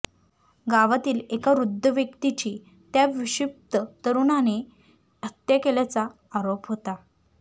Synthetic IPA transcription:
ɡaʋat̪iːlekaɾud̪ʱːəʋjəkt̪it͡ɕiː | t̪jaʋiɕip̚t̪ət̪əɾunane | ət̪jekeljat͡saː | ɾopɦot̪a

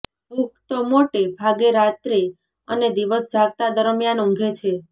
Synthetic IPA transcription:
ɦukt̪omoʈebʱaɡeɾat̪ɾe | əned̪iʋəsd͡ʒʱaɡ̚t̪ad̪əɾəmjanũŋɡʱet͡ʃʰe

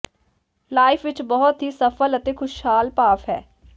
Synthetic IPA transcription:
laːɪfʰʋɪt͡ʃbɔɦʊt̪ɦiːsəfʰələt̪eːkʰʊʃhaːlpaːfɦɛ̰ː

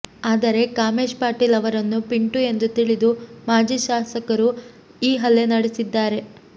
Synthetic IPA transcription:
aːd̪ɐɾe̞kaːmeːʃpaːɾʈiːlɐʋɐɾɐnːupiɳʈue̞nd̪ut̪iɭid̪umaːd͡ʒiːʃaːsɐkɐɾu | iːɦɐlːe̞nɐɽesid̪ːaːɾe̞

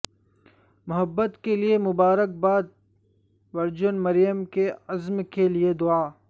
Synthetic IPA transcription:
mʊɦəbːət̪keliemʊbaːɾək̚baːd̪̚ | ʋɐɾd͡ʒʊnmɐɾijəmkeɐzmkelied̪ʊaː

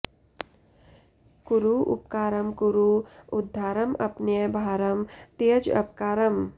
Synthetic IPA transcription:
kuɾuʔṵp̚kaːɾɐmkuɾuʊd̪ʱːaːɾɐmʔɐpnjəbʱaːɾɐmt̪ejəd͡ʒɐ̰p̚kaːɾɐm

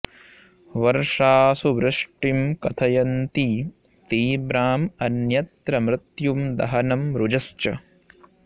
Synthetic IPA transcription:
ʋɐɾʂaːsuʋɾɪʂʈimkɐt̪ʰɐjɐnt̪i | t̪iːbɾaːmɐnjɐt̪ɾɐmɾɪt̪jumd̪ɐ̰ɦɐnɐmɾud͡ʒɐst͡ʃɐ

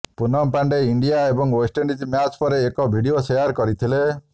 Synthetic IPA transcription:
punɔmpaɳɖeiɳɖijaebɔŋwosʈeɳɖid͡ʒimjat͡ʃpɔɾeːkɔbʱiɽiosejaɾkɔɾit̪ʰile

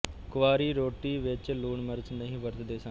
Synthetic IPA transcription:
kʊʋaːɾiːɾoːʈiːʋɪt͡ʃluːɳməɾt͡ʃnəɦĩːʋəɾt̪d̪eːsə̃

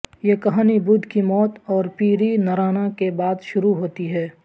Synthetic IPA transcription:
jekɐɦaːnibʊd̪ʱkimɔːt̪ɔːɾpiːɾinɐɾaːnakebaːd̪ʃʊɾuɦoːt̪iɦɛː

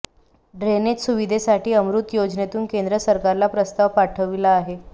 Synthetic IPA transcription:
ɖɾenet͡ssuʋid̪ʱesaʈiːəmɾut̪jod͡znet̪uːnkend̪ɾəsəɾkaɾlapɾəst̪aʋpaʈʰəʋilaːɦe

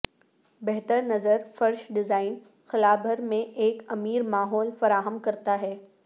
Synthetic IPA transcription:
bɛɦt̪əɾnɐzəɾfɐɾʃɖɪzaːɪn | xɪlaːbʱəɾmẽʔeːkɐmiːɾmaːɦɔːlfɐɾaːɦəmkɐɾt̪aɦɛː

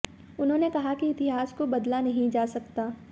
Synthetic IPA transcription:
ʊnɦõːnekɐɦakiɪt̪ɪɦaːskobɐd̪lanɐɦĩd͡ʒaːsɐkt̪aː

